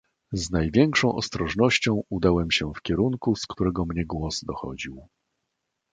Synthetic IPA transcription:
znajvʲjɛŋkʂɔ̃w̃ʔɔ̰st̪ɾɔʐnɔɕt͡ɕɔ̃w̃ud̪awɛmɕɛfkʲɛɾuŋkuskt̪uɾɛɡɔmɲɛɡwɔzd̪ɔxɔ̰d͡ʑiw

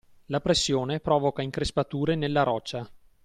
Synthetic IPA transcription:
lapɾesːjoːnepɾɔːvokaiŋkɾespat̪uːɾenelːaɾɔt͡ʃːa

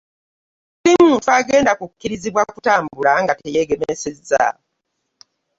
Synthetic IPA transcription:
simuːntuaɡe̞ːndakukːiɾiziβwakutaːmbulaŋɡatejeɡe̞mesezːa̰

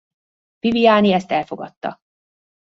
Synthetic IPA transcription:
pivijaːniɛst̪ɛlfo̞ɡɒt̪ːɒ̰

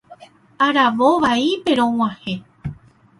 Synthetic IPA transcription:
aɾaʋoʋaipe̞ɾõw̃ãhẽ

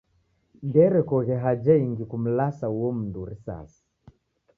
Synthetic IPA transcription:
ndɛɾɛkɔɣɛɦad͡ʒaiŋɡikum̩lasauwɔm̩nduɾisa̰si̥

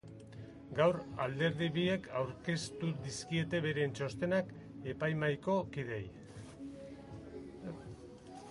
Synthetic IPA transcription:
ɡawɾa̰ld̪e̞ɾðiβie̞kʰawɾke̞st̪ud̪iskie̞t̪e̞βe̞ɾe̞nt͡ʃo̞st̪e̞nak | e̞pajmajko̞kið̞e̞j

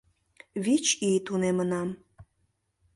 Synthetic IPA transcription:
βit͡ɕit̪unemənɑm

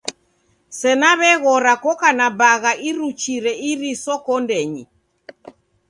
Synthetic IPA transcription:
sɛnaβɛɣɔɾakɔkanabaɣaʔiɾut͡ʃiɾɛiɾisɔkɔndɛɲi

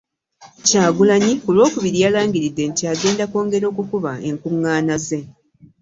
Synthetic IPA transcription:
caːɡulaɲiolwo̞ːkuβiɾialaːŋɡiɾidːe̞ntjaːɡe̞ːndako̞ːŋɡe̞ɾo̞ːkukuβae̞ŋkuŋːaːnaze̞

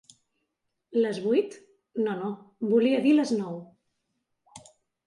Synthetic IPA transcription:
ləzβujt̪ | nonobuliəðiləznɔw

